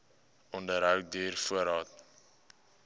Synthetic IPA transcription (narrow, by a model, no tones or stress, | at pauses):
ɔndəɾɦœwk̚dyːrfuəɾɑːt